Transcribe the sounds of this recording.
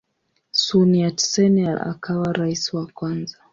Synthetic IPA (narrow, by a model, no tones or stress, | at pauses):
suniatsɛnala̰kʰawaɾaisiwakwanza